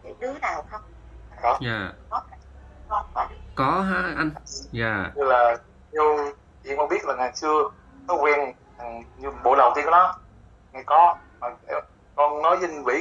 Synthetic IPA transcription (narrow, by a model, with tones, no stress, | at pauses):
ti˨˧˩ɗɨ˨˦ənaː˨˩wxə˧wŋ͡mɗɔ˨˦ɲaː˨˩kɔ˨˦˧ɔ˨˦a˨˧˩kɔ˨˦ɦaː˧ʔa˧jŋjaː˨˩ɲɨ˧laː˨˩ | ɲu˧ | i˨ʔŋ͡mkɔ˧nɓi˦˥ət̚laː˨˩ŋaː˨˩jt͡ɕɨ˧ə | ɔ˨˦kwɛ˧nʰ | a˨˩ŋɲɨ˧ɓo̰˧˨˦lə˨˩wt̪ʰi˧kːɗɔ˨˦ | ŋa˨˩jkɔ˨˦ | maː˨˩ʔɛ˧ | kɔ˧nnɔ˨˦jsï˧ŋvḭ˧˩